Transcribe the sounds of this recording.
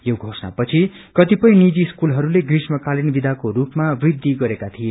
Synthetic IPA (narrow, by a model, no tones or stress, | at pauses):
joɡʱosna̰pʌt͡sʰi | kʌt̪ipʌj̃nid͡ziskulɦʌɾuleɡrismʌkalinbid̪ʱakoɾupmabrid̪ʱːiɡʌɾekat̪ʰije